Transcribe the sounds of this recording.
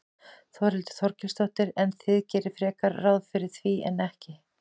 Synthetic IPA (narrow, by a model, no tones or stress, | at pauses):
θawɾɪlt̪ʏ̥θɔɾcɪst̪ɔht̪ɪɾɛnθɪðcɛːɾɪfɾɛːkaɾrːawðfɪɾɪɾ̥θviʔɛ̰nːɛhcɪ